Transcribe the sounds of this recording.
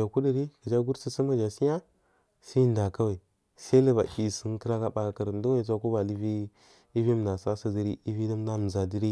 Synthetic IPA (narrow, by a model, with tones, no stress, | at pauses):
a˨ku˦di˦˨ɾi˦kə˨d͡ʒa˦ɡu˦ɾsi˨sə˦mə˨d͡ʒa˨si˦ja˦ | si˦n˨da˨ka˦wa˨i˨ | sa˦lə˦ba˨ʔi˨sə˦n˦kə˦ɾa˦ka˦ɓa˨a˨kə˨ɾn˦do˦wt͡s̬ʷa˦ku˦ba˨li˦vi˦ | i˦vi˦m˨na˨sa˦sa˨zi˦ɾi˦i˦vi˦da˦m˦da˦m˨za˨di˦ɾi˦